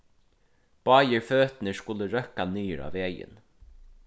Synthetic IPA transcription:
b̥ɑːjəɹføːt̪nəskʊləɾœkanyːɪɾa̰ːveːjɪ̰n

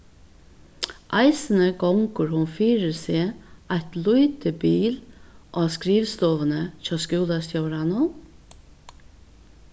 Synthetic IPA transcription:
ʔɑɪsənəɡɔŋkʊɹhʊnfiːɾəseːɑɪt̪luʏt̪ʰəbiːlʔɑːskɾiːʋst̪oːʋənəc͡çɑːskuːlɑst̪jɑɾɑnʊ

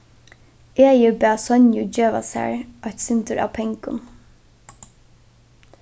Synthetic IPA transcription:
eːjɪbɛːsœnjʊd͡ʒeːʋa̰sæ̰ɹʔɔht̪sɪnt̪əɹʔa̰ːwpʰɛŋkʊ̰n

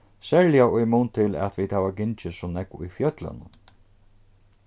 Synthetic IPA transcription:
sɛːɹlɪjaʊjmunt̪ʰɪlɛ̰t̪ʋiːd̪̥haːʋaɡɪnt͡ʃɪsɔnɛkʊ̰jfjœt̪la̰nʊ̰n

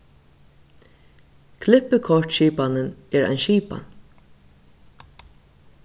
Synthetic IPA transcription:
kʰlɪpːəkʰɔrʈʃiːpanɪnɛɾa̰jnʃiːpa̰n

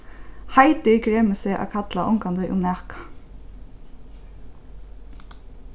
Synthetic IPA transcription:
hajt̪ɪkɾeːmɪsɛʔa̰kʰat̪laʔʊ̰ŋkand̪əʔʊ̰mnæːhkḁ

